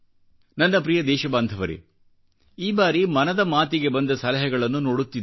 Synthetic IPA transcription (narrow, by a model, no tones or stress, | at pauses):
nɐnːɐpɾijɐd̪ɛːʃɐbaːnd̪ʱɐʋɐɾḛ | iːbaːɾimɐnɐd̪ɐmaːt̪̬iɡe̞bɐnd̪ɐsɐlɐɦɛɡɐɭɐnːunoːɽut̪ːid̪e